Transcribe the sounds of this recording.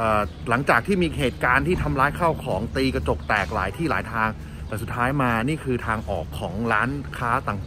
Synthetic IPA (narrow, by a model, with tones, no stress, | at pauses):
ʔəː˨˩ | la˩˦ŋt͡ɕaː˨˩k̚t̪ʰiː˥˩miː˧˨˩heː˨˩t̪̚kaː˧nt̪ʰiː˥˩t̪ʰa˧mɾaː˦˥jkʰa˥˩wkʰɔː˩˦ŋt̪iː˧ka˧t͡ɕo˨˩k̚t̪ɛː˨˩k̚la̰ː˩˦jt̪ʰiː˥˩laː˩˦jt̪ʰaː˧ŋ | t̪ɛː˨˩su˨˩t̪ʰːaː˦˥jmaː˧niː˥˩kʰɯː˧t̪ʰaː˧ŋʔɔ̰ː˨˩kʰːɔː˩˦ŋɾaː˦˥nkʰaː˦˥t̪a˨˩ŋ